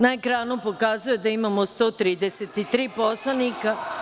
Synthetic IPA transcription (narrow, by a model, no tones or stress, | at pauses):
naekɾaːnupo̞kaːzujed̪aimamost̪o̞ːt̪ɾiːd̪eset̪it̪ɾiːposlˠanika